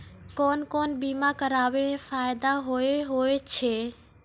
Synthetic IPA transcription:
koːnkoːnbimakəɾaːʋefʰaːɪd̪aɦoeɦoet͡ʃʰe

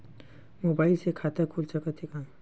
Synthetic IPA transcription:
mobaːilsekʰat̪əkʰulsəkət̪ʰːikã

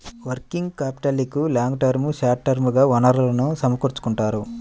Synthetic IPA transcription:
ʋɐɾkiŋɡkaːpi̥ʈɐlikulaːŋɡʈɐɾmuʃaːʈːɐɾmuɡaːʋɐnɐɾlɐnusɐmɐkuɾt͡ʃu̥kuɳʈaːɾu

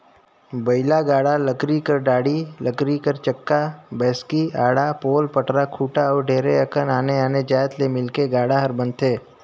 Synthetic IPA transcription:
bəɪlaɡaːɽaləkɾikəɾɖaːɽiləkɾikəɾt͡ʃəkːabɛːskiaːɽapoːlpəʈɾakʰuːʈaɔːɾɖʱeːɾeɐkənaːneaːned͡ʒaːjət̪lemɪlkeɡaːɽaɦəɾbə̃nt̪ʰeː

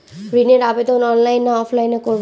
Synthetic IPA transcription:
pɾineɾabed̪ʱonɔnlajnːaɔfʰlajnekoɾb

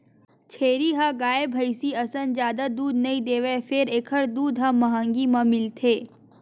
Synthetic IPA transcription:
t͡ʃʰeːɾiɦaɡaːebʱəjsiɐsənd͡ʒjaːd̪ad̪uːd̪nɐĩd̪eːʋefʰɪɾeːkʰəɾd̪uːd̪ɦamɐɦãːŋɡimãmɪlt̪ʰeː

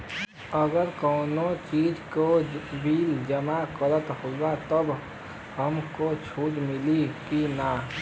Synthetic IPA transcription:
əɡəɾkɔːnot͡ʃiːd͡ʒkoʋiːld͡ʒəmakələt̪hoːɡat̪əb | həmkot͡ʃʰuːd͡ʒmɪlikinaː

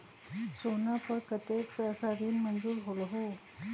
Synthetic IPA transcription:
sonapəɾkət̪ekpasaɾiːnmənd͡zuːɾɦoləɦo

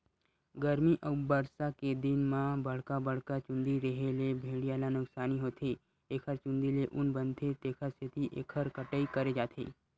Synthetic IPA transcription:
ɡəɾmiʔəʊbəɾsaked̪ɪnmãbəɽ̤kabəɽkat͡ʃʊ̃nd̪iɾəɦelebʱeːɽijaːlanʊksaːniɦoːt̪ʰe | eːkʰəɾt͡ʃʊ̃nd̪ileʔʊnbənt̪ʰet̪eːkʰaset̪ʰiʔeːkʰəɾkəʈəikəɾed͡ʒaːt̪ʰḛː

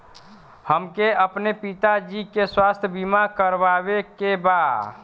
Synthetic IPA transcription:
həmkeəpnepit̪ad͡ʒikeswast̪ʰjəbimakəɾbaβekebad̪

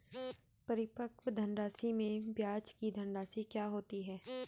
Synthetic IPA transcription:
pɐɾɪpəkʋd̪ʱənɾaːsimẽbjaːt͡ʃkid̪ʱə̃nɖaːsikjaːɦoːt̪iɦɛː

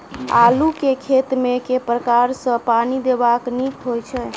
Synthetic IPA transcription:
alukekʰet̪mekepɾəkaɾsə̃panid̪ebaknikɦojt͡ʃʰɛ

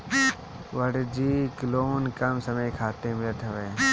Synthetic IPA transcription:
ʋəɽd͡ʒiːkloːnkəmsəməikʰaːt̪eːmɪlət̪ʰɐʋeː

